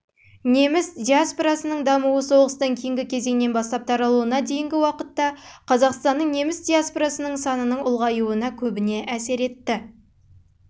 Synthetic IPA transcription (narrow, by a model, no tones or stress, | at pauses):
ne̞mɪsd̪ʲiaspoɾasənəɴd̪ɑmuwəso̞ʁəst̪ɑŋkʲʰejɪŋɡʲɪkʲʰe̞ze̞ŋme̞nbɑst̪ˠɑp̚t̪ʰɑɾɑlˠuənɑd̪e̞jɪŋɡʲɪwɑqət̪ːɑqʰɑzɑqst̪ɑnːəɴne̞mɪsd̪ijaspoɾasənəɴsɑnənəɴʊlˠʁɑjuənɑkʲʰɵbɪne̞ʔæse̞ɾe̞t̪ːɪ